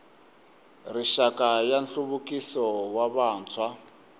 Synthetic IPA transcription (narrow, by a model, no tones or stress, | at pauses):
riʃakajanɬuβukisɔwaβaːnt͡sʰwa